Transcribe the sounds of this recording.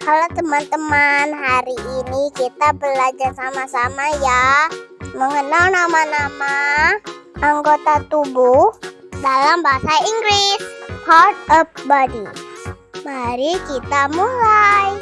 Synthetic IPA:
kalawt̪əmant̪əmanɦaɾiʔːnikit̪abəlad͡ʒarsamasamaja | məŋənalnamanama | ʔaŋɡot̪at̪ubuhdalambaɦasaiŋɡɾɪshart̪̚əp̚badi | maɾikit̪amulaj

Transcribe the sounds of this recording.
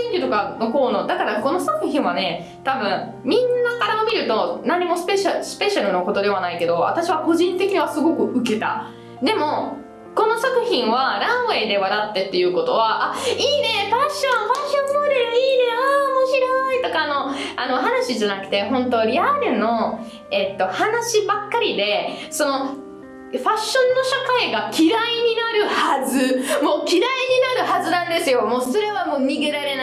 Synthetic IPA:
ĩɲɾʲɯt̪o̞kano̞ko̞ːnoːd̪akaɾako̞no̞sakɯ̟çĩɰ̃βane̞ | t̪abɯ̟̃ɴ | mʲĩnːakaɾamomʲiɾɯ̟t̪o̞nãɲ̟ːimo̞speɕasɨ̥pe̞ɕaɾɯ̟no̞ko̞t̪o̞d̪e̞β̞anaike̞d̪o̞βa̰t̪aɕiβako̞ʑĩnt̪ekʲiɲ̟iβasɨɡo̞kɯ̟ɯ̟ke̞t̪a̰ | d̪e̞mo̞ | ko̞no̞sakɯ̟çĩɰ̃βaɾãɰ̃βe̞ːd̪e̞βaɾat̪ːe̞t̪ːe̞jɯ̟ːko̞t̪o̞βaʔaiːne̞paɕːõ̞ɰ̃ɸaɕːõnːoɾeɾɯ̟iːne̞aːmoːçiɾo̞it̪o̞kaːno̞ano̞ɦanaɕiʑanakɯ̟̥t̪e̞ɦõ̞nt̪o̞ɾʲiaɾɯ̟no̞ | e̞t̪ːo̞hanaɕibakːaɾʲid̪e̞so̞no̞ | ɸaɕːõ̞nːo̞ɕakaiɡakʲʰiɾaiɲ̟inaɾɯ̟hazɨmo̞ːkʲiɾaiɲ̟inaɾɯ̟ɦazɨnãnd̪e̞sɨjo̞moːso̞ɾe̞βamoːɲ̟iɡe̞ɾaɾe̞n

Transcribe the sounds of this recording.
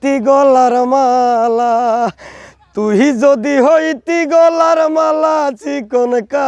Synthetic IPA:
t̪iɡolaɾəmala | t̪uɦid͡ʒod̪iɦoit̪iɡolaɾəmalat͡ʃikonka

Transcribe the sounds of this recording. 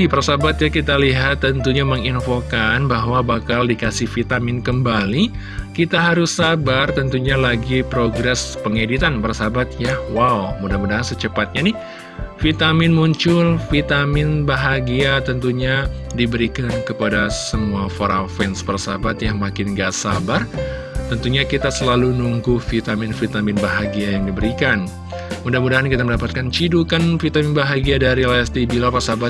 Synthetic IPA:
ipərsabat̪jakit̪aliɦat̪ːənt̪uɲaməŋinfokanbaɦwabakaldikasɪhfit̪amɪnkəmbali | kit̪aɦaɾʊsːabart̪ənt̪uɲalaɡipɾoɡɾɛspəŋedit̪anpərsabat̪̚jawawmudahmudaŋasət͡ʃəpat̪̚ɲanɪh | fit̪amɪnmuɲt͡ʃʊlfit̪amɪnbaɦaɡiat̪ənt̪uɲadibəɾikankəpadasəmuafoɾafɛnspərsa̰bat̪jaŋmakɪnɡaʔsabar | t̪ənt̪uɲakit̪asəlalunuŋɡufit̪amɪnfit̪amɪnbaɦaɡiajaŋdibəɾikan | mudahmudaɦankit̪̬aməndapat̪̚kant͡ʃidukanfit̪amɪnbaɦaɡiadaɾilast̪ibilapasabat̪̚

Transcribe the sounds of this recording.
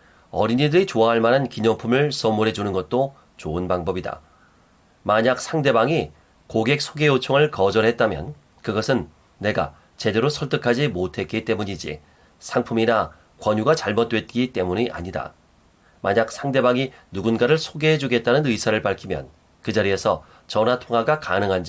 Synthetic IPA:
ʌɾiɲidɯɾit͡ɕoaɦaɭmanankiɲʌŋpʰumɯɭs͈ʌmuɾɦe̞d͡ʑunɯnɡʌt̚t͈o | t͡ɕoɯnpaŋbʌbida̰ | maɲak̚sʰaŋde̞baŋi | koɡe̞k̚sʰoɡe̞jot͡ɕʰoŋɯɭkʌd͡ʑʌɾɦe̞t̚t͈amjʌ̰n | kɯɡʌsʰɯnː | e̞ɡa̰ | t͡ɕe̞de̞ɾosʰʌɭt͈ɯkʰad͡ʑimotʰe̞t̚k͈it͈e̞muɲid͡ʑḭ | sʰaŋpʰumina | kwʌɲuɡat͡ɕaɭmot̚t͈wet̚k͈it͈e̞muɲiʔa̰ɲida̰ | maɲak̚sʰaŋde̞baŋinuɡunɡaɾɯɭsʰoɡeɦed͡ʑuɡe̞t̚t͈anɯnɯisʰaɾɯɭpaɭkʰimjʌ̰n | kɯd͡ʑaɾie̞sʰʌ | t͡ɕʌnatʰoŋɦaɡakanɯŋɦand͡ʑi

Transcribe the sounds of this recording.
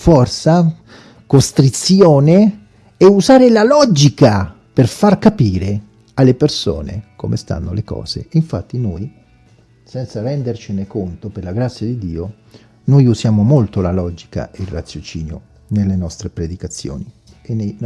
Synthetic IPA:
fɔrt̪sa | kost̪ɾit̪sjoːne | euzaːɾelalɔd͡ʒika | perfarkapiːɾe | alːeperso̰ːnḛkomest̪a̰nːolekɔ̰ːz̥ḛiɱfa̰t̪ːinoj | sɛnt̪sarɛnd̪ert͡ʃinekont̪operlaɡɾat̪sːjad̪id̪ːiːo | nojuzjaːmomolt̪olalɔd͡ʒika̰eilrːat̪sjot͡ʃiːnjo̰ | nelːenɔst̪ɾepɾed̪ikat̪sːjo̰ːni | ene

